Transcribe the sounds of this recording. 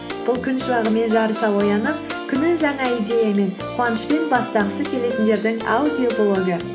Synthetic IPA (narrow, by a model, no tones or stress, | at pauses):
b̥ʊlˠkʲʰʏnʃəbɑʁəme̞nʒɑɾəsɑwo̞jɑnəp̚kʲʰʏnɪŋʒɑŋɑijd̪ʲe̞jame̞nqʰuɑnəʃpe̞nbɑst̪ɑʁəsəkʲʰe̞le̞t̪nd̪e̞ɾd̪ɪŋa̰ud̪iokolˠo̞ɡə